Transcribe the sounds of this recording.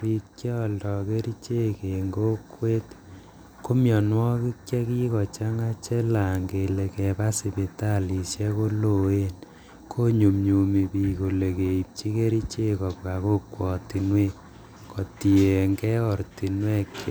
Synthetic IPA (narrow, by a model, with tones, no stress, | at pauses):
ri˨t̚kɛ˦ɔ˨ldɔ˨ke˦ɾi˦t͡ʃe˦ke˨ŋɡo˦kwe˦t | ko˦mjɔ˨nwɔ˦ki˦kt͡ʃjɛ˦ki˦kɔ˨t͡ʃa˦ŋa˦t͡ʃɛ˦la˨ŋɡe˨le˨kɛ˨pa˦si˨pe˨ta˦li˨sjɛ˦ko˦lo˨e˦n | kʰo˦ɲu˨mɲu˨mi˨pi˨ko˨le˨ke˨i˨p̚t͡ʃi˦ke˦ɾi˦t͡ʃe˦kɔ˨pka˨ko˦kwɔ˨ti˨nwe˦ | kɔ˨ti˨e˨ŋɡɛ˦ɔ˨ɾti˨nwɛ˦kː